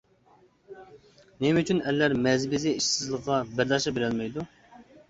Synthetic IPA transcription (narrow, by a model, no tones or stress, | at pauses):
nemyt͡ʃʰynɛlːæɾmɛzɪbɪzɪiʃsɪzlˠəqʁɑbæɾd̪ɑʃɑbeɾɛlmɛjd̪u